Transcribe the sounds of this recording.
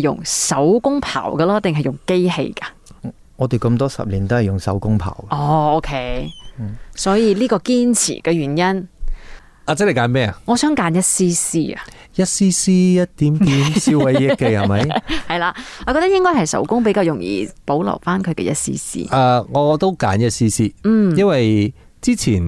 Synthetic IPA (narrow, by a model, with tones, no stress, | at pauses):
jʊ̰˨˩ŋsɐ˨˥wkʊ˥ŋpʰa̰ː˨˩wkɐː˧lɔː˥t̪ɪ˨ŋɦɐ˨jʊ˨˩ŋke˥jɦḛ˧jkɐ˧ | ŋɔː˨˧t̪e˨jkɐ˧mt̪ɔː˥sɐ̰˨p̚liː˨˩nt̪o˥whɐ˨˩jʊ˨ŋsɐ̰˨˥wkʊ˥ŋpʰa̰ː˨˩wkɐ˦˨ɔː˧o˥wkʰe˥j | sɔː˨˥jiː˧liː˥kɔː˧kiː˥nt͡sʰḭː˨˩kɛː˧ɥyː˨˩njɐ˥n | aː˧t͡sɛ˥le˨˩kaː˨˧nmɛː˥˧ɐ˨ŋɔː˨˧sœː˥ŋkaː˨˧njɐ˥t̚siː˥siː˥ɐ̰˨ | jɐ˥t̚siː˥siː˥jɐ˥t̚t̪iː˨˥mt̪iː˨˥msiː˥wwɐ˨˦jjɪ˥kːe˧jhɐ˨˩mɐ˨˦˧jhɐ˨jlaː˧ŋɔː˨˧kɔ˧t̪ɐ˥jɪ˥ŋkɔː˥jɦɐ˨jsɐ̰˨˥wkʊ˥ŋpe˨˥jkaː˧wjʊ˨˩ŋjḭː˨˩po˨˥wlɐ̰˨˩wfaː˥nkʰɵ˨˧ɥkɛ̰˧jɐ˥t̚sḭː˥sḭː˥ʔa˧ŋɔː˨˧t̪o˥wkaː˨˥njɐ˥t̚siː˥siː˥˧˩jɐ˥nwɐ˨j | t͡siː˥t͡sʰiː˨˩n